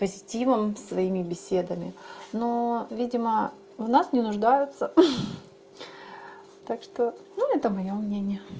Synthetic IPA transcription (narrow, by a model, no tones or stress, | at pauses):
pəzʲɪtʲivɨmsvɐimʲɪbʲɪsʲe̞d̪əmʲɪ̰novʲidʲɪmə | vnasnʲɪnʊʐd̪ajʊt̪sə | t̪akʂt̪onuɛt̪əmɐjomnʲenʲɪjə